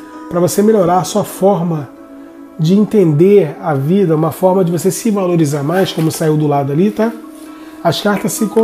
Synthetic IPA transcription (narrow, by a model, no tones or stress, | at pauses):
pɾɐvosemeloɾaɾɐsuɐfɔɾmɐ | d͡ʒɪĩt̪ẽnd̪eɾɐvid̪ɐũmɐfɔɾmɐd͡ʒɪvosesɪvaloɾizaɾmajskõmʊsaiwd̪ʊlad̪ʊalit̪a | ɐskaɾt̪ɐssɪkõ